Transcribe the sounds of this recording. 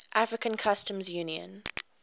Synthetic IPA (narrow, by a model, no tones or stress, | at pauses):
ʔafɹɪkə̃nkʰʌstə̃mzjuniə̰̃n